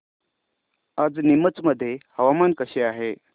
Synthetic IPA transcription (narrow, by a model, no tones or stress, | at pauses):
ad͡znimət͡sməd̪ʱːjehəʋamankəɕeaɦe